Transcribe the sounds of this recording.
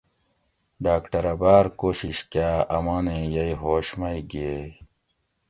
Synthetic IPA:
ɖaːkʈɐɾɐbaːɾkoːɕiɕkjaːɐmãːnẽjɐiɦoːɕmɐiɡie

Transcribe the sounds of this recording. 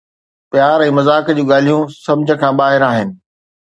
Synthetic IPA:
pjaːɾɛ̃ːmɐzaːkd͡ʑũːɠaːl̤ijũsɐ̃bd͡ʑʱə̆kʰãːɓaːɦɪɾaːɦɪnɪ̆

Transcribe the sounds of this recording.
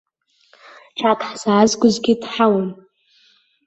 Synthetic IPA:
ʈ͡ʂʰakʰʼħsaːzɡʷʊzɡʲɪdħawan

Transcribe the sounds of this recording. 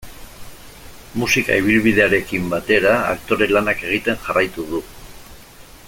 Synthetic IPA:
musika̰iβ̞ilβiðe̞aɾe̞kimbat̪e̞ɾaa̰kt̪o̞ɾe̞lanake̞ɣ̞it̪e̞nʝarajt̪uð̞u

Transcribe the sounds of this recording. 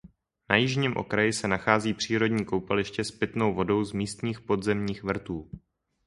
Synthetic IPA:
najɪʒɲiːmʔo̰kɾajɪsɛnaxaːziːpr̥iːɾo̞dɲiːko̞wpalɪʃcɛspɪt̪no̞wvo̞do̞wzmiːst̪ɲiːxpo̞dzɛmɲiːxvr̩t̪uː

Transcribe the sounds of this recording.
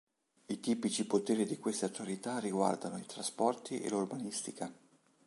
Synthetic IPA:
it̪iːpit͡ʃipot̪eːɾid̪ikwest̪eat̪ːualit̪arːiɡwa̰rd̪anoit̪ɾaspɔrt̪iʔḛlurbanist̪ika

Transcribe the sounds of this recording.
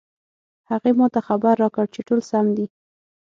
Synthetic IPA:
haɣemɑt̪axabaɾːɑkəɽt͡ʃeʈolsamd̪i

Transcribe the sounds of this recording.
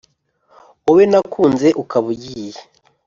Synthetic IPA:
owenakuːnze̞ʔukaβuɟije

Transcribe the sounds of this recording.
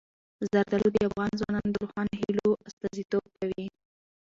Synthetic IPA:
zaɾd̪alod̪əafɣɑnzwɑ̰nɑnod̪əɾoxɑnoɦiloast̪ɑzit̪ob̚kawi

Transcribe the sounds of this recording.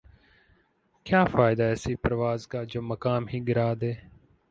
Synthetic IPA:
kjaːfaːɪd̪aːɛsiːpəɾʋaːzkaːd͡ʒoːməkaːmɦiːɠɪɾaːd̪eː

